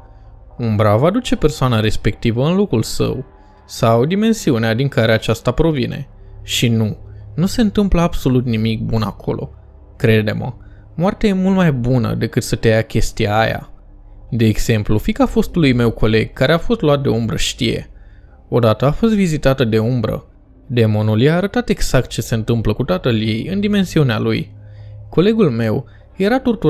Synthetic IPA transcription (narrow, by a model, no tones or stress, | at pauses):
umbɾavad̪ut͡ʃe̞pe̞rsoanaɾe̞spe̞k̚t̪ivəɨnlo̞kulsə̰w | sawd̪ime̞nsiunead̪iŋkaɾe̞at͡ʃast̪apɾo̞vine̞̰ʃinunuse̞ɨnt̪ɨmpləabso̞lut̪nimik̚buna̰kʰo̞̰lʔo̞̰ | kɾe̞d̪e̞mə̰ | moart̪eaje̞mult̪majbunə̰d̪e̞kɨt̪sət̪ejakʲe̞st̪ijaːja̰ | d̪e̞ːɡz̥e̞mplufikafo̞st̪ulujme̞wkʰo̞le̞ɡ̚kaɾe̞afo̞st̪luat̪̚d̪e̞umbɾə̰ʃt̪ije̞̰ | o̞d̪at̪əafo̞st̪vizit̪at̪əd̪e̞umbɾə̰ | d̪e̞mo̞nuljeaːɾət̪at̪e̞ɡz̥akt̪̚t͡ʃe̞se̞ɨnt̪ɨmpləkut̪at̪əlje̞jɨnd̪ime̞nsiunea̰lujko̞le̞ɡulme̞w | je̞ɾat̪ort̪u